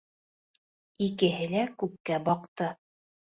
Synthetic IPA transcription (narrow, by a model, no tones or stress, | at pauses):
ikɘ̆ɦɘlækʉp̚kæbɑqt̪ɤ